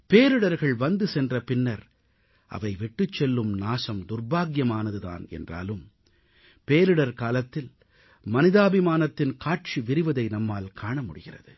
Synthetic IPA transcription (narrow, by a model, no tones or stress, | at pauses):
peːɾɯɽɐɾɣɐɭʋɐnd̪ɯsɛndrɐpɪnːɐɾ | ʔɐ̰ʋɐɪʋɪʈːɯt͡ʃːɛlːɯmnaːʂɐmd̪ʊrbaːɡjɐmaːnɐðɯða̰ːnɛ̰ndra̰ːlɯm | peːɾɯɽɐɾkaːlɐt̪ːɪl | mɐnɪðaːbɪmaːnɐt̪ːɪnkaːʈ̚t͡ʃiʋɪɾɪʋɐðɐɪnɐmːaːlkʰaːɳɐmʊɽɪɣɪrɐ̰ðɯ